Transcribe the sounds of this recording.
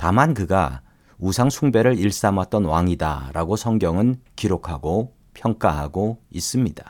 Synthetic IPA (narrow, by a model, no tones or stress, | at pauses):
tamankɯɡa̰ | usʰaŋsʰuŋbe̞ɾɯɾiɭs͈amat̚t͈ʌnwaŋida̰ɾaɡosʰʌŋɡjʌŋɯnkiɾokʰaɡo | pʰjʌŋk͈aɦaɡois͈ɯmɲida